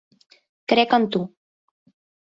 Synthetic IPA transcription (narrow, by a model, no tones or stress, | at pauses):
kɾɛkɔnt̪u